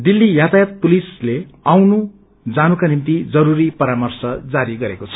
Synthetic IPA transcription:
d̪ilːijat̪ajat̪̚pulisleawnu | d͡zanukanimt̪id͡zʌɾuɾipʌɾamʌrsʌd͡zaɾiɡʌɾekot͡sʰʌ̥

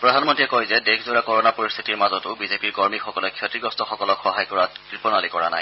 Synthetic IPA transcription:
pɹɔdʱanmɔntiɛkɔjzɛdekʰzoɹakɔɹɔnapoɹist̪ʰitiɹmazɔtʊbizepiɹkɔɹmixɔkɔlɛkʰjɔtɹiɡɔstɔxɔkɔlɔkxɔɦajkɔɹakɹipɔnalikɔɹa̰na̰j

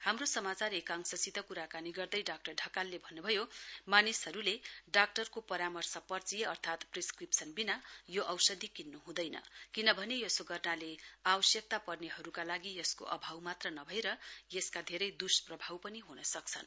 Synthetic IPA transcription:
hamrosʌmat͡sarekaŋksʌt͡sit̪ʌkuɾakaniɡʌrd̪ʌjɖak̚ʈʌrɖʱʌkalːebʱʌnːubʱʌjomanisɦʌɾuleɖak̚ʈʌrkopʌɾamʌrsʌpʌrt͡sijeʌrt̪ʰat̪priskripsʰʌnbinajoʔʌwsʌd̪ʱikinːuɦũd̪ʌjnʌ̰kinʌbʱʌnejʌsoɡʌrnaleawʌsjʌk̚t̪apʌrneɦʌɾukalaɡijʌsko̰ʔʌ̰bʱawmat̪rʌnʌbʱʌeɾʌjʌskad̪ʱeɾʌjd̪usprʌbʱawpʌniɦunʌsʌkt͡sʰʌn

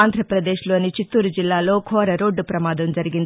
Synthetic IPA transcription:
aːnd̪ʱɾɐpɾɐd̪e̞ːʃlo̞ːnit͡ʃit̪ːuːɾud͡ʒilːaːlo̞ːkʰɔːɾɐɾo̞ːɖːupɾɐmaːd̪ɐmd͡ʒɐɾiɡin

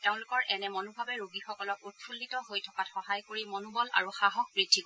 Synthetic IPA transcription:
teʊ̃lʊkɔɹʔɛnɛmɔnubʱabɛɹuɡixɔkɔlɔkut̚pʰulːitɔɦojtʰɔkatxɔɦajkoɹimɔnubɔla̰ɹuxaɦɔk̚bɹidʱːik

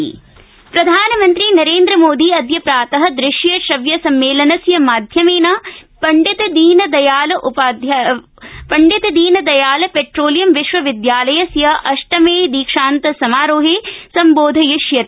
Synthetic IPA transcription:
pɾɐd̪ʱaːnɐmɐnt̪ɾinɐɾeːnd̪ɾɐmoːd̪iɐd̪ʱjɐpɾaːt̪ɐɦɐ̆d̪ɾɪʃjɐʃɐʋjɐsɐmːeːlɐnɐsjɐmaːd̪ʱjɐmeːnɐpɐɳɖit̪ɐd̪iːnɐd̪ɐjaːlɐʔupaːd̪ʱj | pɐɳɖit̪ɐd̪iːnɐd̪ɐjaːlɐpeʈɾoːlijɐmʋiʃʋɐʋid̪jaːlɐjɐsjɐʔɐʂʈɐmeːd̪iːkʂaːnt̪ɐsɐmaːɾoːɦeːsɐmboːd̪ʱɐjɐʃjɐt̪

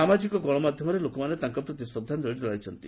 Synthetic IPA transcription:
amad͡ʒikɔɡɔɭ̃ɔmad̪ʱjɔmɔɾelokɔmanet̪aŋkɔpɾɔt̪isɔd̪ʱːand̪ɔɽid͡ʒɔɭajt͡ʃʰɔnt̪i

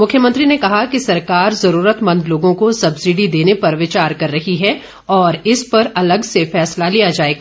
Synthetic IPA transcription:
mʊkʰjəmɐ̃nt̪ɾinekɐɦakisɐɾkaːɾzɐɾuːɾət̪mɐ̃nd̪loːɡõkosɐbsiɖid̪eːnepɐɾʋɪt͡ʃaːɾkɐɾːɐɦiɦɛ | ɔːɾɪspɐɾɐləɡsefɛːslalijad͡ʒaːeːɡa

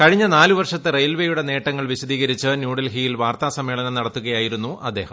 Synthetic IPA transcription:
kɐɻiɲːɐnaːluʋɐrʂɐt̪ːɨrejɐlʋejuɽe̞ne̞ːʈːɐŋːɐɭʋiɕɐd̪iːɣɐɾit͡ɕːɨnjuːɽɐlɦijilʋaːrt̪aːsɐmːeːɭɐnɐmnɐɽɐt̪ːuɣɐjaːjiɾunːuʔɐd̪ːe̞ːhɐm

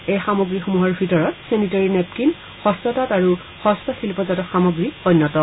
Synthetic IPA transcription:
ejxamoɡɹixumuɦɔɹbʱitɔɹɔtsenitaɹinɛp̚kin | xɔstɔtataɹu | xɔstɔsʰilpɔzatɔxamoɡɹiɔnːɔtɔ

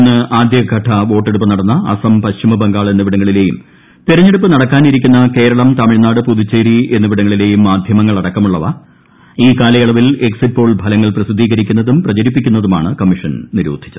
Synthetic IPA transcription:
nːɨʔaːd̪ʱjɐɐɡʱɐʈʰːɐʋo̞ːʈːeɽup̬ːɨnɐɽɐnːɐɐ̰sɐmpɐɕimɐbɐŋɡaːɭenːuʋiɽɐŋːɐɭile̞ːjum | t̪iɾɐɲːeɽupːɨnɐɽɐkːaːniɾikʲːunːɐke̞ːɾɐɭɐmt̪ɐmiɻnaːɽɨpuðut͡ɕːeːɾie̞nːuʋiɽɐŋːɐɭile̞ːjumːaːd̪ʱjɐmɐŋːɐɭɐɽɐkːɐmuɭːɐʋɐ | iːkaːlɐjɐɭɐʋile̞ksit̚po̞ːɭbʱɐlɐŋːɐɭprɐsid̪ʱːiːɣɐɾikʲːunːɐðumprɐt͡ɕɐɾipːikʲːunːɐðuma̰ːɳɨkɐmːiʂɐnniɾṵːd̪ʱi̥t͡ɕːɐðɨ

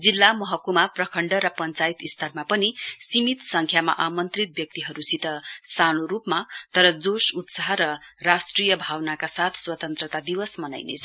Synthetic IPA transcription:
d͡zilːamʌɦʌkumaprʌkʰʌɳɖʌɾʌpʌnt͡sait̪ist̪ʰʌrmapʌnisimit̪sʌŋkʰjama̰ʔamʌnt̪rit̪̚bjʌk̚t̪iɦʌɾusit̪ʌsanoɾupmat̪ʌɾʌd͡zosut̪saɦɾʌrasʈrijʌbʱawnakasat̪ʰswʌt̪ʌnt̪rʌt̪ad̪iwʌsmʌna̰jnḛt͡sʰʌ̥

